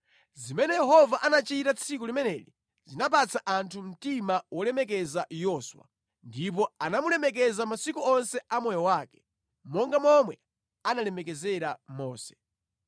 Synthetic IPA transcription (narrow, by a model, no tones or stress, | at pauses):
zimɛnɛjɛɦɔvaʔanat͡ʃitat͡sʰik̬ulimɛnɛlḭ | zinap̬at͡sʰaʔantʰum̩timawɔlɛmɛk̬ɛzajɔswa̰ | ndip̬ɔanamulɛmɛk̬ɛzamasikuɔnsɛamɔjɔwaːkɛ̥ | mɔŋɡamɔmwɛ | analɛmɛk̬ɛzɛɾamɔːsɛ̥